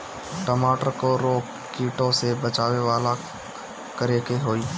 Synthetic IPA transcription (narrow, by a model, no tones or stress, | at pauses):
ʈəmaːʈəɾkoɾoː | kːiːʈõsebət͡ʃaːweʋaːla | kəɾeːkeɦoːiː